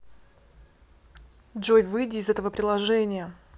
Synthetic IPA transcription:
dʐojʲvɨjdʲɪːzɛt̪əvəpɾʲɪlˠɐʐɛnʲɪjə

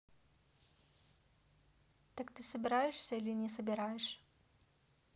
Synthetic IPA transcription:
t̪ɐkt̪ɨsɐbʲɪɾajɪʂsʲɐilʲinʲɛsɐbʲɪɾajɪʂ

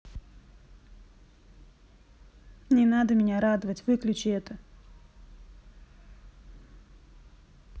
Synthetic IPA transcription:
nʲɪnad̪əmʲɪnʲaɾad̪əvətʲvɨklʲʉt͡ɕɪɛt̪ə

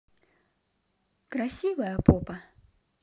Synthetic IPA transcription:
kɾasʲivɐjɐpɔpɐ

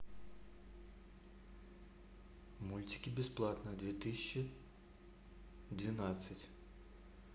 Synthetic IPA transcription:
mulʲtʲi̥kʲibʲɪsplˠɑt̪nɐd̪ʲʋʲit̪ɪsʲt͡ʃːi | d̪ʲʋʲinasʲːɐtʲ

